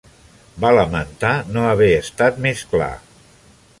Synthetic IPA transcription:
baləmənt̪anoəβ̞ɛəst̪at̪meskla̰

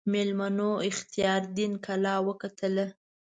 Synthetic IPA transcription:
melmanoɪxt̪ijɑɾd̪inkalɑwəkat̪əla

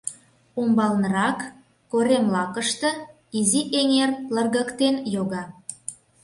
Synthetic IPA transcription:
umbɑlnəɾɑkː | oɾemlɑkəʃt̪ɤ̆ | iziʔeŋerlə̆rɣə̆kt̪enjoɣɑ

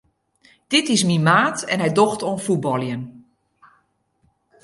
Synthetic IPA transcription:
d̥ɪtɪs̬mimaːtɛ̰nɦɛjdoxtonfubɔlˠjən

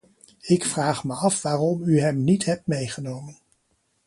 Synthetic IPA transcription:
ɪkfraːχməɑfʋaːrɔmyɦɛmnitɦɛp̚tmejχənowmən

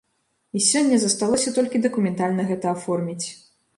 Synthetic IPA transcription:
isʲɔnʲːɐzɐst̪alˠɔsʲɐt̪ɔlʲkʲid̪ɐkumʲɛnt̪alʲnɐɣɛt̪ɐafɔrmʲit͡sʲ

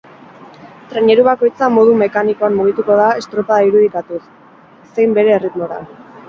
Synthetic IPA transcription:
t̪ɾeɲe̞ɾuβako̞jt͡samo̞ð̞ume̞kaniko̞anmoɣit̪uko̞ðae̞st̪ɾo̞paðaiɾuð̞ikat̪usː | e̞jmbe̞ɾe̞ːrit̪mo̞ɾa̰

